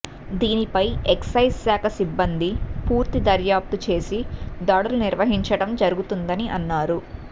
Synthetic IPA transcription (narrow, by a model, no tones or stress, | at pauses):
d̪iːnipɐjeksɐjssaːkʰɐsibːɐnd̪ipuːɾt̪id̪ɐɾjaːp̚t̪ut͡ʃe̞ːsid̪ɐːɽɐluniɾʋɐɦiɲt͡ʃɐɽɐmd͡ʒɐɾuɡut̪und̪ɐniʔɐnːaːɾu